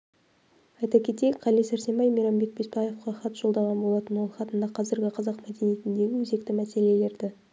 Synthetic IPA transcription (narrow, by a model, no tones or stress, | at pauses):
ɑjt̪ɑkʲʰe̞t̪ejkʲqʰɑlijsæɾse̞mbɑjmiɾɑmbe̞k̚bespɑje̞fqɑχɑt̪ʒ̥o̞lˠd̪ɑʁɑnbo̞lˠɑt̪ənwo̞lˠχɑt̪ənd̪ɑqʰɑzɪɾɡʲɪqʰɑzɑqmæd̪e̞nije̞t̪ɪnd̪e̞ɡʲɪwɵze̞k̚t̪ɪmæse̞le̞le̞ɾd̪ɪ